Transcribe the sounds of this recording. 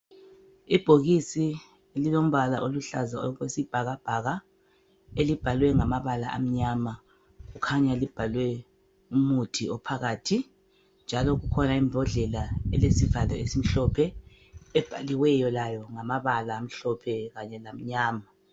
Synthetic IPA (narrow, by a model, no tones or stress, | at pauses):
ib̥ʱoɣisi | elilom̩βalaʔoluɬa̰zaɣwesib̥ʱaɣab̥ʱaɣa | elib̥ʱalwɛŋamaβalaʔa̰m̩ɲama | ɣukʰaɲalib̥ʱalwɛ | umutʰiɔpʰaɣaːtʰi | nd͡ʒʱalɔɣukʰɔnaimbʱɔɮɛlaɛlesivalɛesim̩ɬɔpʰɛ | ɛb̥ʱaliwɛjɔlajɔŋamaβalaːm̩ɬɔpʰɛɣaɲɛlam̩ɲaːma